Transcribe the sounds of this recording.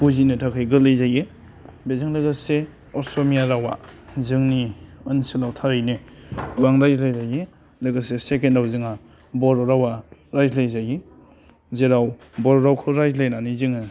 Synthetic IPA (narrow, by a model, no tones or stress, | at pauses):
puzinɯtʰakʰɯjɡɯlɯjzaje | bezɯŋlɯɡɯse | ɔsomijaɾawa̰zɯŋniɯnsilawtʰaɾɯjniɡuaŋɾajzlajzaje | lɯɡɯsesekendawzɯŋa | bɔɾɔɾawaɾajzlajzaje | zeɾaw | bɔɾɔɾawkʰɯɾajzlajnanizɯŋɯ